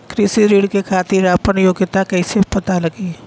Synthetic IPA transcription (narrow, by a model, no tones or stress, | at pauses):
kɾɪsiɾiːɽkekʰaːt̪iːɾapənjoːɡɪt̪akɛːsepɐt̪alɐɡiː